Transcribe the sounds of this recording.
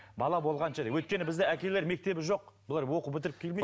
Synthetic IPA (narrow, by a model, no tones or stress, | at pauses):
bɑlˠɑbo̞lˠʁɑnʃɑd̪ejwɵjt̪̚kʲe̞nɪbɪzd̪eækʲe̞le̞ɾme̞k̚t̪e̞bɪʒo̞q̚bɪlˠɑɾwo̞qəpbɪt̪ɪɾɪp̚kʲʰe̞lme